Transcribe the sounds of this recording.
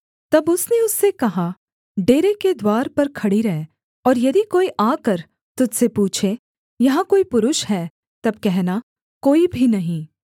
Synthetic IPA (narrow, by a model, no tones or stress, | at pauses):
t̪ɐbʊsneʊsːekɐɦa | ɖeːɾeked̪waːɾpɐɾkʰɐɽiɾɐɦe | ɔːɾjɐd̪ʱikoːiʔaːkɐɾ | t̪ʊd̪sepuːt͡ʃʰe | jɐɦãkoːipʊɾʊʃɦɛː | t̪ɐb̚kɛɦna | koːibʱinɐɦĩː